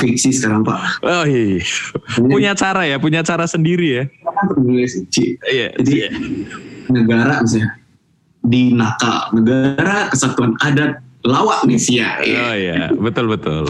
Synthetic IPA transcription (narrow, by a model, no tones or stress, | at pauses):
fiksisə̥kaɾaŋpaʔojaiapuɲat͡ʃaɾajapuɲat͡ʃaɾasəndiɾijaaat̪əilɛsit͡ʃiʔija̰d͡ʒai | nəɡaɾamisa | dinaka̰lnəɡaɾakəsat̪uanadalawaʔnesiaja̰oja̰bət̪ʊlbət̪ʊ̰l